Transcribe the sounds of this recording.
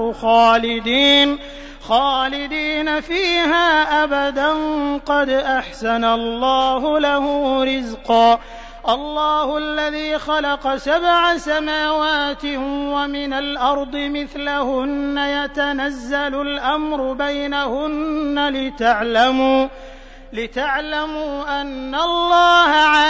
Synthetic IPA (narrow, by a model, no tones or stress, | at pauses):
xaːlɪd̪iːn | xaːlɪd̪iːnafiːhaːʔabad̪anqɑd̪ʔaħsanalːɑːhʊlahʊːɾɪzqɑː | ʔɑlˤːɑːhʊʔalːaðiːxɑlɑqɑsabʕasamaːwaːt̪ɪwamɪnalʔɑɾˤd̪ˤɨmɪθlahʊnːajat̪anazːalʊlʔamɾʊbajnahʊnːalɪt̪aʕlamuː | lɪt̪aʕlamuːʔanːalˤːɑːhaʕa